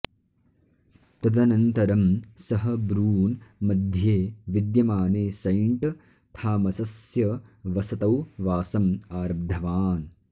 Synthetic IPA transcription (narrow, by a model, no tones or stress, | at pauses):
t̪ɐd̪ɐnɐnt̪ɐɾɐmsɐɦɐbɾuːnmɐd̪ʱjeːʋid̪jɐmaːneːsɐjɳʈ | t̪ʰaːmɐsɐsjɐʋɐsɐt̪ɐwʋaːsɐmaːɾɐb̚d̪ʱɐʋaːn